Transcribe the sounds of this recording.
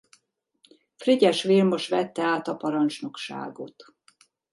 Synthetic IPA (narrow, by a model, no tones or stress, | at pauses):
friɟɛʃʋiːlmo̞ʃʋɛt̪ːɛaːt̪ɒpɒɾɒnt͡ʃno̞kʃa̰ːɡo̞t̪